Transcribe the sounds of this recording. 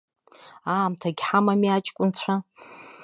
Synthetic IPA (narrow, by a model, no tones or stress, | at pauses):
aːmtʰaɡʲħamamiat͡ʃʼkʷʼʊnt͡ɕʷʰa